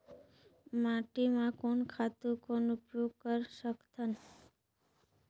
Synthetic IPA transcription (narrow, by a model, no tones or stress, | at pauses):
mãʈimãkonkʰat̪ũkonʊpjoɡ̚kəɾʃəkt̪ʰən